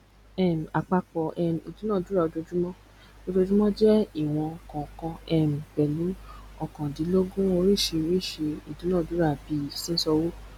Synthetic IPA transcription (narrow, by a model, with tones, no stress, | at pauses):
ɛ˦˨m̩˨a˨k͡pa˧k͡pɔ˨ʔɛ˧˨m̩˨i˨du˨˦nãː˦˨du˨˦ɾa˦˨o˨˧d͡ʒo˧d͡ʒu˦mɔ̃˦ | o˧d͡ʒo˧d͡ʒu˦mɔ̃˦d͡ʒɛ˦i˦˨w̃ɔ̃˧˨kɔ̃˨kɔ̃˧ɛ˧m̩˨bɛ˨nũ˨˦ɔ˦˨kã˨di˨˦lo˦ɡũ˦o˧ɾi˦˨ʃe˧ɾi˦˨ʃe˧i˨dũ˨˦nãː˦˨du˨˦ɾa˦˨bi˨˧˦sĩ˦n̩˦sɔ˧wo˦